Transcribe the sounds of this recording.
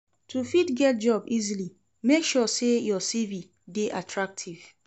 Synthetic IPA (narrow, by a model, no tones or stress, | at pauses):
tʰufitɡɛt̚d͡ʒɔbizili | mekʃɔsejɔsivi | deʔatʰɹak̚tʰiv̥